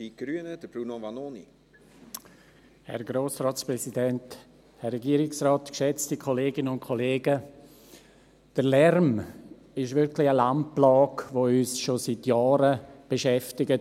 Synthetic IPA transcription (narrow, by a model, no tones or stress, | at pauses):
iɡ̥ɾyənəd̥əb̥ɾunovanonḭ | hɛ̰ɾɡɾoːsrɑːtsprɛsidɛnt | hɛrːɛɡiːəɾɪksrɑːtkʃɛt͡stikʰoleːɡɪnənʊntkʰoleːɡə | d̥əlɛrm | ɪʃʋɪɾkʰlɪəlamplaːkʋoyːsʃositjɑːɾəb̥eʃɛftɪɡət